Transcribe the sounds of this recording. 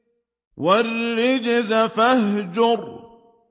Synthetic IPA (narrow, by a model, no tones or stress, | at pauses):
warːɪd͡ʒɪzafahɦd͡ʒʊɾˤ